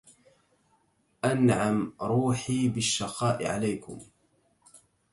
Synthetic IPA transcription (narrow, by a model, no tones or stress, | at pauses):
ʔanʕamɾuːħiːbɪʃːɑqɑːʔɪ̰ʕa̰lajkʊ̰m